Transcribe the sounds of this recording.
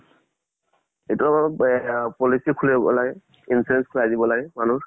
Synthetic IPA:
ejtuama | pɔlisikʰulabɔ̰laɡɛ | insiɹɛnskʰuladibɔlaɡɛmanuɹ

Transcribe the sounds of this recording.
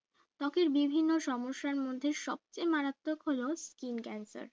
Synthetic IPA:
t̪ɔkeɾbibʱinːoʃɔmoʃːaɾmod̪ʱːeʃɔb̚t͡ɕejmaɾat̪ːokholoskinkɛnsa̰ɾ

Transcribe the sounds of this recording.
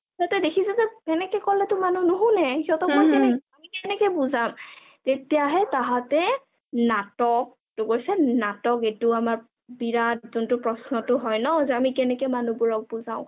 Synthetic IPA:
zatɛdekʰisɛzɛkɛnɛkɛkɔlɛtʊmanunʊɦũnɛhiɔtɔkʰɔkɛnɛkamikɛnɛkɛbuzam | tetijaɦɛtaɦatɛ | natɔk̚ | tʊkoɹjsɛnatɔketʊamaɹ | biɹad̚zʊntʊpɹɔsnɔtʊɦɔjnɔzɛamikɛnɛkɛmanubuɹɔk̚buzaʊ̃

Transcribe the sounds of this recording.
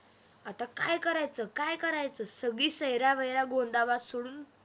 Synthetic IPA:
at̪akajkəɾajt͡səkajkəɾajt͡səsəɡɭiːsəɦjɾaʋəjɾaɡoɳɖ̪abat̪soɽuːn

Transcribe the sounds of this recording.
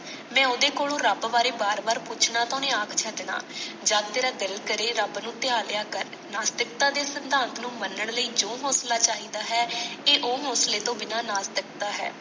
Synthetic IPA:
mɛ̃ːʊd̪eːkoːlõːɾəbʋaːɾeːbaːɾbaːɾpʊt͡ʃʰnaːt̪õːnẽːaːkʰt͡ʃʰɛːd̪ɪna̰ːd͡ʒaːd̪t̪eːɾaːd̪ɪlkəɾeːɾəbnũːt̪ɪaːlɪjaːkəɾ | naːst̪ək̚t̪aːd̪eːsənd̪aːnt̪ʰnũːmənːəɳləiːd͡ʒoːɦoːslaːt͡ʃaːɦiːd̪aːɦɛːeːʔoːɦoːsleːt̪õːbɪnaːnaːst̪ək̚t̪aːɦɛ̰ː

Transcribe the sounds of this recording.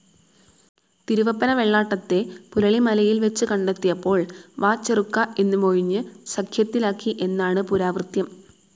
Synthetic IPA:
t̪iɾuʋɐpːɐnɐʋe̞ɭːaːʈːɐt̪ːe̞pulɐɭimɐlɐjilʋe̞t͡ɕːɨkɐɳɖet̪ːijɐpːo̞ːɭʋaːt͡ɕːerukːaʔe̞nːɨmo̞ɻiɲːɨsɐkʰjɐt̪ːilaːkːiʔe̞nːaːɳɨpuɾaːʋrɨt̪jɐm

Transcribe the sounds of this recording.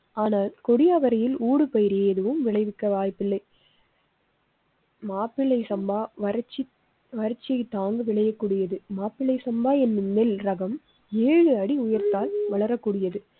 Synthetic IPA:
aːnaːlkɔɽɪjaːʋɐɾɐjɪluːɽɯpɐjɪɾeɛðɯʋɯmʋɪɭɐɪʋɪkːɐʋaːjpːɪlːɐɪ | maːpːɪɭɐɪsɐmbaːʋɐɾt͡ʃːɪ | ʋɐɾɐt͡ʃːɪjɐɪt̪ːaːŋɡɯʋɪɭɐjɐkːuːɽɪjɐðɯmaːpːɪɭɐɪsɐmbaːɛnːɯnɛlɾɐɣɐm | eːɻɯɐɽiʊjɐɾt̪aːlʋɐɭɐɾɐkːuːɽɪjɐðɯ

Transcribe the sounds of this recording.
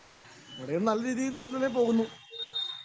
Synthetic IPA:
ʋiɽejunɐlːɐɾiːðijlilep̬o̞ːɣunːu

